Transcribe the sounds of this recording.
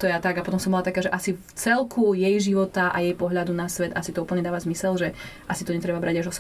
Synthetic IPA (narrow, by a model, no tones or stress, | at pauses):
t̪ɔjat̪aɡapɔt̪ɔmsɔmbɔlat̪akaːʒɛʔasift͡sɛlkʰujɛjʒiʋɔt̪aʔa̰jɛjpɔɦʎad̪unasʋɛd̪asit̪ɔuːpl̩ɲɛd̪aːʋazmisɛlʒɛʔasit̪ɔɲɛt̪ɾɛbabɾaɟaʒɔs